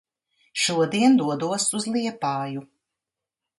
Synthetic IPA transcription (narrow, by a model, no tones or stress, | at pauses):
ʃuɔd̪iɛnd̪uɔd̪uɔsuzlˠiɛpaːju